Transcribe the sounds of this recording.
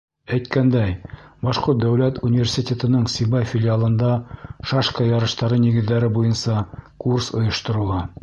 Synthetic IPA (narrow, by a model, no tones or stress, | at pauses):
æjt̪̚kænd̪æjbɑʃqot̪̚d̪æwlæt̪unʲivʲersʲit̪ʲet̪ɤ̆nɤɴsʲibɑjfʲɪlʲɪalˠɤ̆nd̪ɑʃɑʃkɑjɑɾɤ̆ʃt̪ɑɾɤniɡɘ̆ðːæɾɘbujɤnsɑkursŏjɤ̆ʃt̪ɤ̆ɾŭlˠɑ